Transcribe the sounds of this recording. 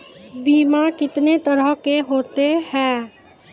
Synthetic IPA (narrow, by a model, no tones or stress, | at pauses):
biːmakɪt̪net̪əɾəɦkeɦoːt̪ehɛ̃ː